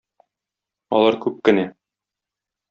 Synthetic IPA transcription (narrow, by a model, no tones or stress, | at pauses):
ɒ̰lˠɑɾkʉp̚kɘ̆næ